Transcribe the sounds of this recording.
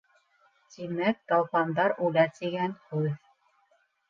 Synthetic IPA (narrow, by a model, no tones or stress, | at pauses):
t̪imæk̚d̪ɑlˠpɑnd̪ɑɾulæɾt̪iɡænhʉð